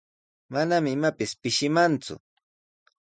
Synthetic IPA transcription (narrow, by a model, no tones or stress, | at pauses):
manamɪmapɪspɪʃɪmant͡sʊ̰